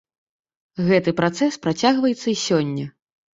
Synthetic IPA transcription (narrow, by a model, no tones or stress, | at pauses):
ɣɛt̪ɨpɾat̪sɛspɾat͡sʲaɣvɐjɛt̪sːɐisʲɔnʲːɐ